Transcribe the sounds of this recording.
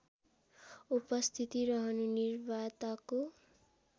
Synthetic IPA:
upʌst̪ʰit̪iɾʌɦʌnunirbat̪ako

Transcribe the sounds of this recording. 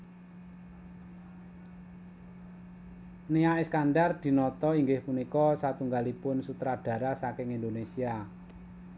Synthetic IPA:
niaʔeskanɖard̪̥i̤nɔt̪ɔiŋɡɪhpunikɔsat̪uŋɡalipʊnsut̪ɾadɖ̥ä̤ɾasakɪŋind̪onesia

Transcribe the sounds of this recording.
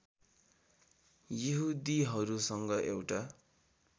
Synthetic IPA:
jiɦud̪iɦʌɾusʌŋɡʌʔewʈa

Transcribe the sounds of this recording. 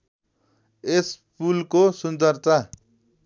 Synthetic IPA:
espulkosund͡zʌrt̪a

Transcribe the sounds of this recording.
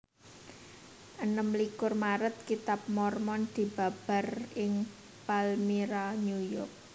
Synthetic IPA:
ʔənəmlikʊrmaɾət̪̚kit̪ap̚mɔrmɔnd̪̥i̤b̥a̤b̥a̤rɪŋ | palmiɾaɲujɔrk̚

